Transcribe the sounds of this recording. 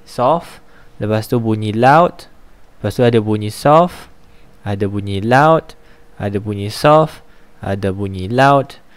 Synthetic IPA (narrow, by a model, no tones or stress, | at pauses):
sɔf | ləpast̪ubuɲilawt̪̚ləpast̪uadabuɲĩsɔf | adabuɲĩlawt̚a̰dabuɲĩsɔfa̰dabuɲilawt